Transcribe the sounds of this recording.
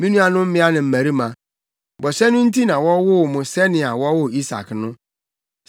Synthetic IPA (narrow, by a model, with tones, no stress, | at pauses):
mĩ˦nũ˦a˨nʊ̃˦m̩˦mɪ̃˦a˦nɪ̃˨m̩˦˨mæ̃˨ɾi˦mã˨ | bɔ˨sɛ˦nʊ̃˦n̩˦ti˦nã˨wɔ˦wʊ˦˨mʊ̃˨sɛ˦nɪ̃˨a˨wɔ˦wʊ˦i˦sa̰˨knʊ̃˦